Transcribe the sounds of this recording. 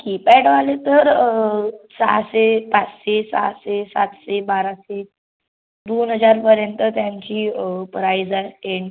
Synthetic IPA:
kipɛʈʋalet̪əɾ | sa̰sepat͡sɕesa̰sesat̪sebaɾase | d̪onɦəd͡zaɾpəɾjənt̪ət̪jaɲt͡ɕiːpɾaid͡zaeɳ

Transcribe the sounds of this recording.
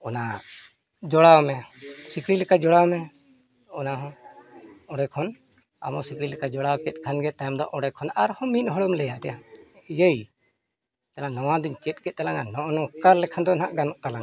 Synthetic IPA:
ɔna | d͡ʒɔɽawmɛsikʰɽilɛkad͡ʒɔɽawmɛ | ɔnaɦɔ̃ | ɔɽɛkʰɔn | a̰mɔsikɽilɛkad͡ʒɔɽawkɛt̪̚ˀkʰanɡɛt̪ajɔmd̪ɔʔɔɽɛkʰɔnaɾhɔ̃minɦɔɽumlɛjaʔt̪ɛjajəj | t̪alanɔwãd̪iɲt͡ʃɛt̪̚ˀkɛt̪̚t̪alananɔʔnɔ̃kaɾlɛkʰand̪ɔnaʔɡanɔʔt̪alan

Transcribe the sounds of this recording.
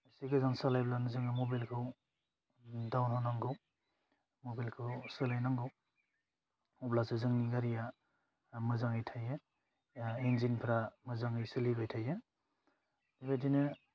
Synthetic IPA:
siɡɯzaŋsalajblanɯzɯŋɯmobalkʰɯw | dawnhanaŋɡɯw | mobilkʰɯwsɯlajnaŋɡɯw | ɔblasɯzɯŋniɡaɾija | mɯzaŋɯjtʰajɯ | enzinpʰɾamɯzaŋɯjsɯlibajtʰajɯ | dibat̬ʰinɯ

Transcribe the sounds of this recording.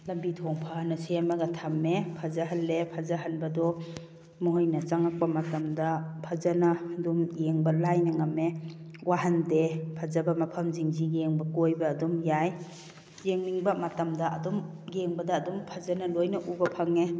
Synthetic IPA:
lɐmbitʰɔŋpʰanɐseamaɡatʰamːepʰazaɦalːepʰazaɦanbɐdɔ | mɔɦɔjnɐt͡ʃaŋak̚pɐmatɐmdɐpʰazanadumjeŋbɐlajnaŋamewaɦandepʰazabɐmapʰɐmziŋziɡeŋbɐkojbɐːdɔmjaj | jeŋniŋbamatɐmdɐʔɐdɔm | ɡeŋbɐdaːdɔmpʰazanɐlojnɐʔubɐpʰaŋe

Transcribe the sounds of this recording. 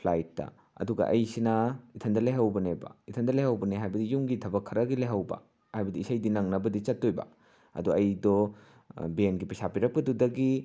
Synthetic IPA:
pʰlajtːɐ̰ | ɐ̰duɡɐ̰ʔɐjsinɐitʰɐndɐlajɦɐwbɐnebɐ̰itʰɐndɐlajhɐwbɐneɦajbɐdijuŋɡitʰɐbɐkʰːɐɾɐɡilajɦɐwbɐ̰ | hajbɐdiːsajdinɐŋnɐbɐdit͡ʃɐtːojbɐ̰ | ɐ̰duɐjdɔ | benɡipɐsapiɾɐk̚pɐdudɐɡi

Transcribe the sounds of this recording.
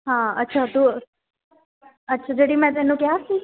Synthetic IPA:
ɦãətːʃʰat̪u | ətːʃʰad͡ʒoɽimɛ̃t̪enũkjasĩ

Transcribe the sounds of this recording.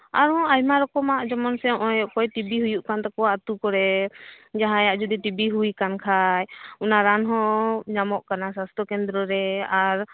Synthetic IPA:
aɾɔ̃ajmaɾɔkɔmaʔd͡ʒɔmɔnsɛɔjɔʔkɔjʈibiɦujuʔkant̪akɔwaʔt̪ukɔɾɛ | d͡ʒaɦãjaʔd͡ʒɔd̪iʈibiɦujkankʰajunaɾanɦɔ̃d͡ʒamɔʔkanasast̪ʰɔkɛnd̪ɾɔɾɛaɾ

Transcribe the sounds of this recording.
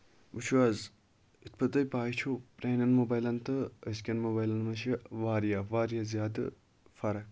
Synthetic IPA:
ut͡ʃʰuɐz | it̪̚ʰpʰɐt̪ɐjpaːit͡ʃʰopɾaːnʲɐnmoːbaːjlɐnt̪ɨəskʲɐnmoːbaːjlɐnmɐʃʰiʋaːɾijaʋaːɾijazʲjaːd̪ɨ̰ | fɐɾɐ

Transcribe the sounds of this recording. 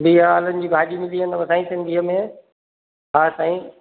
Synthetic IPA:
biaːlənɪ̆d͡ʑiːɡʱaːɗimɪ̃d̪iɦənʋɐsãːĩsɪ̃nd̪ʱiːəmẽ | aːsãːĩː

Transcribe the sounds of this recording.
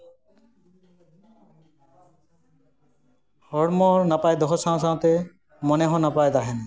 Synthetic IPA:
hɔɽmɔɾnapajd̪ɔɦɔsãsãt̪e | mɔneɦɔ̃napajd̪aɦene

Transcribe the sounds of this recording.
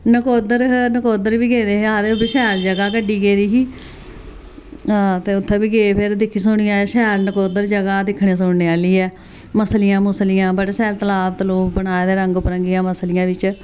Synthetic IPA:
nəkoːd̪əɾnəkoːd̪əɾʋiːɡeːd̪eːɦaːd̪eːʊbeʃɛːld͡ʒəɡaːkəɖiːɡeːd̪iːɦiː | aːt̪eːʊt̪ʰːẽːbiːɡeːpʰɪɾd̪ɪkʰːiːsʊɳ̃ijãːʃɛːlnəkoːd̪əɾd͡ʒəɡaːd̪ɪkʰːɳẽːsʊɳneːaːliːɛː | məslijãːmʊslijãːbəɽʃɛːlt̪əlaːbt̪əloːkbəɳaːed̪eːɾəŋɡpəɾəŋɡijãːməslɪjãːʋɪt͡ʃ

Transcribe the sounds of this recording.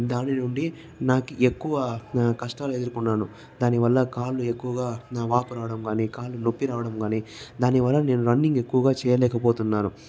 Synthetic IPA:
d̪aːninuɳɖi | naːkuʔekːuʋɐkɐʂʈaːlue̞d̪uɾukunːaːnu | d̪aːniʋɐlːɐkaːlːue̞kːuʋɐɡaːʋaːpuɾaːʋɐɽɐmɡaːniːkaːlːunopːiɾaːʋɐɽɐmɡaːniːd̪aːniʋɐlːɐne̞ːnuɾɐɳːiŋɡe̞kːuʋɐɡaːt͡ʃɛːjɐlɛːkɐpo̞ːt̪unːaːnu

